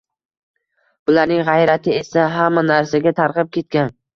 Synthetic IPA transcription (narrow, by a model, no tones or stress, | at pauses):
b̥ʊlaɾnɪŋʁajɾat̪ʰɪe̞saɦamːanaɾsaɡʲat̪ʰaɾqɨp̚kʲʰe̞t̪̚kʲan